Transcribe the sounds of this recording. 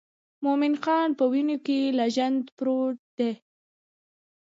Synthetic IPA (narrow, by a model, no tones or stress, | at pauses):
momɪnxɑnpəwinokelaʒand̪pɾoʈ̚d̪̥e